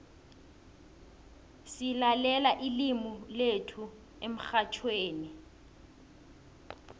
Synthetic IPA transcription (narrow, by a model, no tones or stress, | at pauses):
silalɛlaʔilimuletʰu | em̩xat͡ʃʰweːni